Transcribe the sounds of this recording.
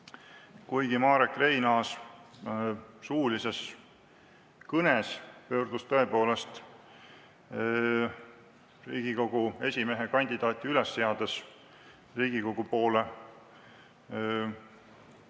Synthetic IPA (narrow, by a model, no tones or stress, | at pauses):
kujɡ̥imɑːɾekre̞jnɑːs | suːlise̞s | kɤnespø̞ːɾd̪̥ust̪ɤe̞po̞ːle̞st̪ | rḭːɡ̥iko̞ɡ̥ue̞sʲime̞ɦekɑnʲd̪̥id̪ɑːt̪ʲːˑiylesːeɑd̪̥es | riːɡ̥iko̞ɡ̥upo̞ːle